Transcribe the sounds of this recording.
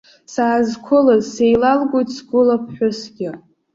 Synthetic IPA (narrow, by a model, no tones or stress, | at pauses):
saːzkʷʰʊlazsejlalɡʷojtsɡʷʊlapʰħʷʊsɡʲɪ